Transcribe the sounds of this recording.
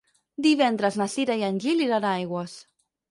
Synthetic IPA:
d̪iβɛnd̪ɾaznasiɾajanʲʎiliɾanajɣwas

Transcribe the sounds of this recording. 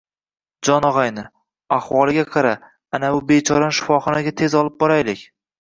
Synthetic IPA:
d͡ʒɒnɒʁajnɪ | aχwɒlˠɪɡʲaqʰɑɾa | anaʊbet͡ʃʰɒɾanʃɪ̥fɒχɒnaɡʲat̪ʰe̞zɒlˠɪp̚bɒɾajlɪkʲ

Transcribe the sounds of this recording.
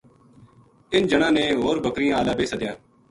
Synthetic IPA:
ɪnd͡ʒəɽãːneːɦoːɾbəkɾɪjãːəlaːbeːsəd̪jaː

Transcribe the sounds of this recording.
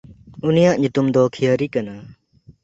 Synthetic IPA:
unijaʔɲut̪umd̪ɔkʰijəɾikana

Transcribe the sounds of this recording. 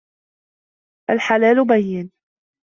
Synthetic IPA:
ʔalħalaːlʊbajːɪn

